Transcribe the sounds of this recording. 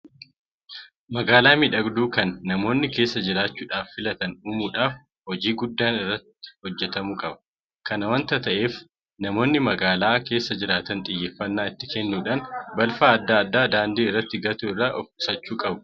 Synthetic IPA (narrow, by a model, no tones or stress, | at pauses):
mɐɡaːlaːmɪᶑɐɡd̪uːkɐnːɐmo̞ːnːɪkeːsːɐd͡ʒɪɾaːt͡ʃːuːᶑaːfːɪlɐt̪ɐnuːmuːᶑaːf | hɔd͡ʒiːɡʊd̪ːaːnɪrːɐt̪ːɪ̥hɔd͡ʒːɛt̪ɐmuːkʼɐbɐ̥ | kɐnɐwɐnt̪ɐt̪ɐʔe̞ːf | nɐmo̞ːnːɪmɐɡaːlaːke̞ːsːɐd͡ʒɪɾaːt̪ɐnt̪ʼɪjːeːfːɐnːaːɪt̪ːɪkɛnːuːᶑaːnbɐlfaːɐd̪ːaːɐd̪ːaːd̪aːnd̪iːrːɐt̪ːɪɡɐt̪uɪrːaːʔɔfʊsɐt͡ʃːuːkʼɐbʊ̥